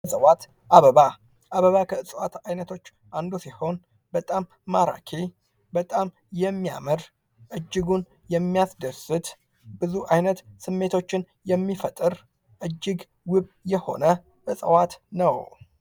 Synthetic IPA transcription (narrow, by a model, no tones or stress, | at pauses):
sʼəwat̪ | ʔaβəβa | ʔaβəβakʰəɨsʼəwat̪ajnət̪ʰo̞t͡ʃː | ʔand̪usiho̞n | bət̪ʼamːaɾa̰kʰe | bət̪ʼam | jɛmːia̰məɾ | ʔɨd͡ʒːɪɡun | jɛmːijasd̪əsɨt̪ | bɨzuʔajnət̪sɨmːe̞t̪ʰo̞t͡ʃːɪn | jɛmːifət̪ʼɨɾ | ʔɨd͡ʒːɪɡ | wɨβjɛho̞̰nə | ʔɨsʼəwat̪nəw